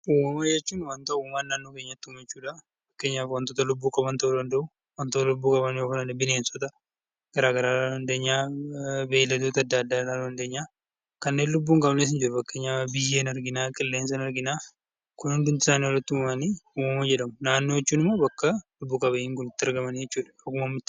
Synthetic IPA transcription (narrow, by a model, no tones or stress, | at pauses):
uːmɐmɐd͡ʒɛt͡ʃːuːnwɐnt̪ɐuːmmaːnːaːnːo̞ːkeːɲːɐt̪ːʊmɛt͡ʃːuːᶑa | fɐkːeːɲːaːfwɐnt̪oːt̪ɐlʊbːuːkʼɐbɐnt̪ɐʔʊd̪ɐnd̪ɐʔʊ | wɐnt̪ot̪ɐlʊbːuːkʼɐbɐnjofɐnanɪbɪne̞ːnsɔt̪ɐ | ɡ̥ɐɾaːɡɐɾaːlaɐnd̪e̞ːɲːaːbe̞ːlːɐt̪oːt̪ɐd̪ːɐːd̪ːaːlaːnɐnd̪eːɲːaː | kɐnːe̞ːnlʊbːuːŋkʼɐbneːs̬ɪnd͡ʒɪɾʊfɐkːe̞ːɲːaːbɪjːeːnɐɾɡɪnaːkʼɪlːe̞ːnsɐnɐɾɡɪnaː | kʊnhʊnd̪ʊnt̪ɪ̥saːniwɔlːɐt̪ːʊmɐmɐniːuːmɐmɐd͡ʒɛᶑɐmʊnaːnːoːjɛt͡ʃːuːnɪmːo̞ːbɐkːɐlʊbːuːkʼɐbɐɪŋkʊnɪt̪ːɪɐɾɡɐmɐnjɛt͡ʃːuːᶑɐ̥kɐkʊmɐmːɪt̪ːɪ̥